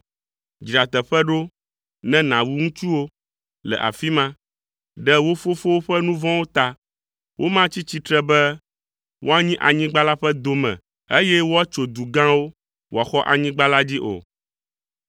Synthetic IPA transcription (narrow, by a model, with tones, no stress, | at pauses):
d͡ʑɾi˨a˨t̪ɛ˨ɸɛ˦ɖo˦ | nɛ̃˦nã˨wu˦ŋũ˦t͡ʃu˦wo˦ | lɛ̰˨ʔa̰˨fi˦mã˦ | ɖɛ˦wo˦fo˦fo˦wo˦ɸɛ˦nũ˦vɔ̃˦wo˦t̪a˦ | wʔo˦mã˦t͡ɕi˦t͡ɕi˦t̪ɾɛ˦bɛ˦ | wʔo˦a˦ɲĩ˦ʔa˨ɲĩ˦ɡ͡ba˦la˦ɸɛ˦d̪o˨mɛ̰̃˨ | e˦jɛ˦wo˦a˦t͡ʃo˨d̪u˨ɡã˦wo˦ | wa˨xɔ˦ʔa̰˨ɲĩ˦ɡ͡ba˦la˦d͡ʑi˦ʔo̰˨